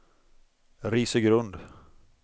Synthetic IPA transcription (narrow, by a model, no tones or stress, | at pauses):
ɾiːsəɡɾɵnd̪